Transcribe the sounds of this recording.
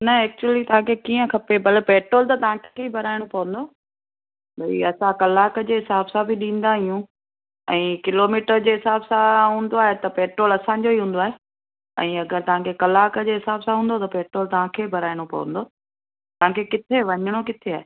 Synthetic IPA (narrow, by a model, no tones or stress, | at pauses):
nɐɛːk̚t͡ɕuəlit̪ɐʋãkʰekiːə̃kʰɐpebɐlpeːʈɾoːlt̪ɐt̪ɐʋ̤ãkʰeibʱɐɾaːɪɽ̃opɐʋə̃nd̪oː | bɐḭɐsãkɐlaːkəd͡ʑeːɦɪsaːbsãbʱɪɗĩːn̆d̪aɦijũ | ɛ̃ːkɪloːmiːʈəɾd͡ʑeːɦɪsaːbsãɦũːnd̪oaːɦet̪ɐpeːʈɾoːlɐsãːɲ̆d͡ʑoiɦũːn̆d̪oaːɦe | ɛ̰̃ːɐɡəɾt̪ɐʋ̤ãkʰekɐlaːkəd͡ʑeːɦɪsaːbsãɦũːnd̪ot̪ɐpeːʈɾoːlt̪ɐʋ̤ãkʰeːbʱɐɾaːɪɽ̃opɐ̰ʋə̰̃n̆d̪oː | t̪ɐʋ̤ãkʰekɪt̪ʰeʋɐɲɽ̃okɪt̪ʰeaːɦe